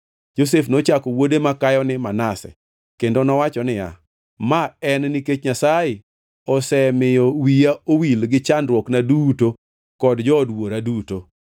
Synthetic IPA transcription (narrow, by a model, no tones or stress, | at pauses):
d͡ʒos̬efnot͡ʃakɔwodemakajɔnɪmanasɛ̰ | kendonɔwat͡ʃɔnɪja̰ | maɛnniket͡ʃɲasajɪ | ɔsɛmɪjɔwijaowilɡɪt͡ʃandɾwɔknaduto | kɔdd͡ʒɔːdwoɾaduto